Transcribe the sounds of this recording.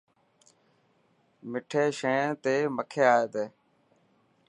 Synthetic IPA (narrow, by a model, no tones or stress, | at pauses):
mɪʈʰeːʃẽːt̪eːməkʰeːaːeːt̪eː